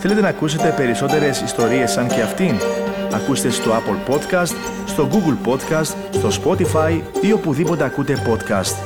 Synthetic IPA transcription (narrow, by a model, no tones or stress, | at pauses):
θe̞let̪e̞nɐkuse̞t̪e̞pe̞ɾiso̞t̪e̞ɾe̞sist̪o̞ɾie̞sːɐŋce̞ɐft̪inɐ̰kust̪e̞st̪o̞ɐpolpo̞t̪kɐst̪ | st̪o̞ɡuɡlpo̞t̪kɐst̪ | st̪o̞spo̞t̪ifɐjio̞puðipo̞t̪e̞ɐkut̪e̞po̞t̪kɐ̰st̪